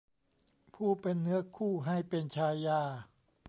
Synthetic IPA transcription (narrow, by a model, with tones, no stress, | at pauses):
pʰuː˥˩pe˧nːɯ˦˥ɐkʰuː˥˩ɦa˥˩jpe˧nt͡ɕʰaː˧jːaː˧˩